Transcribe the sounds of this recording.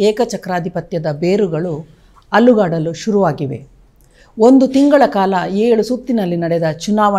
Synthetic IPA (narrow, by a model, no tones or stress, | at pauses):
eːkɐt͡ʃɐkɾaːd̪ʱipɐt̪jɐd̪ɐbeːɾuɡɐɭu | ɐlːuɡaːɽɐluʃuɾuʋaːɡiʋe̞̰ | ond̪ut̪iŋɡɐɭɐkaːlɐeːɭusut̪ːinɐlːinɐɽɛd̪ɐt͡ʃunaːʋɐ